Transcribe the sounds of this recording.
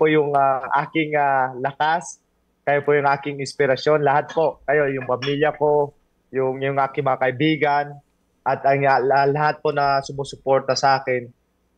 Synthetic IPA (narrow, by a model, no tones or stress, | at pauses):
pojʊŋaʔaːkɪŋalɐkas | kɐjopojʊŋʔaːkɪŋɪnspɪɾɐsjo̞nlɐhat̪̚po̞ʔkɐjo̞jʊŋpɐmiljɐko̞ | jʊŋjʊŋʔaːkɪŋmɐŋakɐʔɪbiːɡɐn | ʔɐt̪ɐŋlɐlɐhat̪̚ponɐsʊmosʊpo̞ɾt̪ɐsɐʔaːkɪn